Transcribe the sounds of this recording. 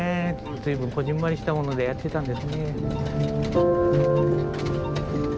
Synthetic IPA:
d͡zɨibɯŋkʰod͡ʑimːaɾiɕi̥t̪amo̞nod̪e̞jat̪ːe̞t̪and̪e̞sɨne̞

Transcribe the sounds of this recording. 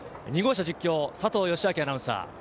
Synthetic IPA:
ɲ̟iɡo̞ːɕ̬ad͡ʑikʲːo̞ːsat̪o̞ːjo̞ɕiakʲianaɯ̟̃sa̰ː

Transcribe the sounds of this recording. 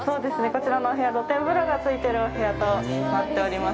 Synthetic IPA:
so̞ːd̪e̞sɨne̞ko̞t͡ɕiɾanoɦe̞jad̪ot̪ẽ̞mbɯ̟ɾoɡat͡sɨit̪e̞ɾɯ̟oɦe̞at̪o̞nat̪ːe̞oɾʲimas

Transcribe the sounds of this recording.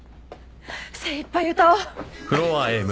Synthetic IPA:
seipːajjɯ̟ːt̪akɯ̟ɾoaem

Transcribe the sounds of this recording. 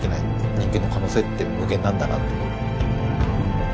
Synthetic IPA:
kʲinai | ɲ̟ĩŋkʲẽnːo̞kano̞ːset̪ːemɯ̟ɡẽ̞nːãnd̪ana̰t̪ːoo

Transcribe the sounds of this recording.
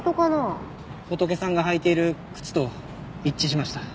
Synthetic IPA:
t̪okano | hot̪o̞ke̞sãŋɡaɦait̪e̞iɾɯ̟kɯ̟̥t͡sɨ̥t̪o̞ | it͡ɕːiɕimaɕi̥t̪ḁ

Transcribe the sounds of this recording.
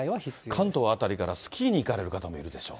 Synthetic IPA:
ikʰãnt̪o̞at̪aɾʲikaɾasɨ̥kʲʰiːɲ̟iːkaɾe̞ɾɯ̟kat̪amo̞iɾɯ̟d̪e̞ɕo̞̰ː

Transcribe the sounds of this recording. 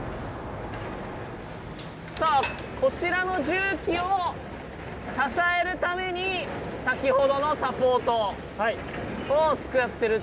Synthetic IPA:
soː | ko̞t͡ɕiɾano̞ʑɨːkʲio | sasae̞ɾɯ̟t̪ame̞ɲ̟isakʲiho̞d̪o̞no̞sapo̞ːt̪o̞ | a | ot͡sɨ̥kɯjat̪ːe̞ɾɯ

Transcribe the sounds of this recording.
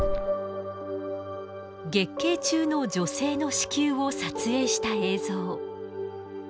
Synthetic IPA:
ɡe̞kːe̞ːt͡ɕɨːno̞d͡ʑo̞se̞ːno̞ɕi̥kʲɨːosat͡sɨe̞ːɕi̥t̪ae̞ːzo̞ː

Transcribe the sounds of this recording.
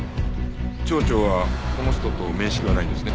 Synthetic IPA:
t͡ɕo̞ːt͡ɕo̞ːβako̞no̞ç̥t̪o̞t̪o̞me̞ːɕi̥kʲiβanaĩnd̪e̞sɨne

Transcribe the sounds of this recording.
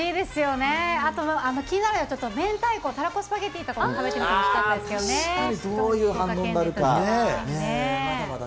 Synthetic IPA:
iːd̪e̞sɨjo̞ne̞at̪o̞mano̞kʲiɲ̟inaɾeat͡ɕo̞t̪ːomẽ̞nt̪aiko̞ːt̪aɾako̞sɨ̥paɡe̞t̪ːeit̪ːakot̪aβe̞t̪eaokit̪ãnddesɨked̪oneaɲid̪oːjɯ̟ːhãnd̪õaɾɯ̟kaee

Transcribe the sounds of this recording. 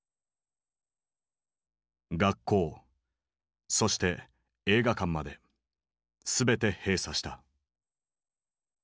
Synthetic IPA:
ɡakʰːo̞ː | so̞ɕi̥t̪e̞ | eːɡakãmːad̪e̞ | sɨbe̞t̪e̞he̞ːsaɕi̥t̪a

